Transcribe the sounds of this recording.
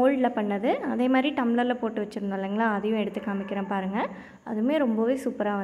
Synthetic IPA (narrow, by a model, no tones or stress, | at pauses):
oːɭɖlɐpɐɳːɐðɯɐðeːmaːd̪ɾiʈɐmlɐɾlɐpoːʈːɯʋɐt͡ʃːɯɾɯnd̪aːlːɐŋɡɐɭãːɐðɐjʊ̃ɛɽɯt̪ːɯkːaːmɪkːɪɾẽːpaːɾɯŋɡɐ | ʔɐ̰ðɯmeːɾɔmbɐʋeːsuːpːɐɾaːʋɐ